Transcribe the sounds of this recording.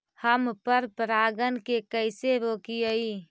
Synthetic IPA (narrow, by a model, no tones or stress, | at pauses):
həmpəɾpɾaːɡənkekəɪseɾoːkiəi